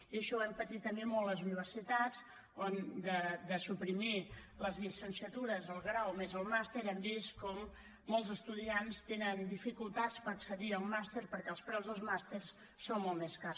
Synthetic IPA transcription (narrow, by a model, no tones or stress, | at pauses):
iəʃɔɛmpət̪it̪ːəmbemɔlˠtəzuniβ̞ərsit̪at͡s | ond̪əd̪əsupɾimiləzlisənsiət̪uɾəzəlˠɣɾawmezəlˠmast̪eɾɛmbiskɔmː | ɔlˠzəst̪uðianst̪enənd̪ifikulˠt̪at͡spəɾəksəðiəlˠmast̪eɾpəɾkɛəlˠspɾɛwzðəlˠzmast̪ersː | onmɔlˠmeskar